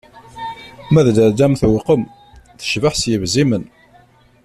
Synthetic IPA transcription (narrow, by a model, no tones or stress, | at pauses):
mæðd̪əɾd̪æmθwəqəm | θə̥ʃvəħsjəvzimən